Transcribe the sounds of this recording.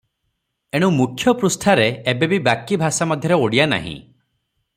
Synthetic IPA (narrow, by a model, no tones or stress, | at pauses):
eɽ̃ũmukʰjɔpɾust̪ʰaɾeːbebibakibʱasamɔd̪ʱjɔɾeoɽijana̰ɦḭ̃